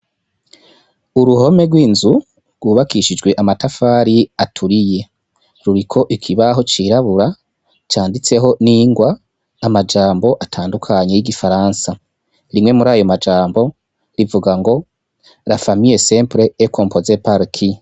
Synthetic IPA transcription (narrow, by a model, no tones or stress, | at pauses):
uɾuho̞me̞ɡwiːnzu | ɡwuβakiʃid͡ʒɡwe̞ʔamatafaːɾiatʰuɾije̞ | ɾuɾikʰo̞ʔikʰiβaɦo̞t͡ʃiːɾaβuɾa | t͡ʃaːndit͡se̞ɦo̞niːŋɡwaː | mad͡ʒaːmbo̞ʔatʰaːndukʰaɲe̞jiɡifaɾansa | ɾimŋe̞muɾaːjo̞mad͡ʒaːmbo̞ | ɾivuɡaŋɡo̞ | ɾafamije̞sempɾeːko̞mpʰo̞zepaɾkʰi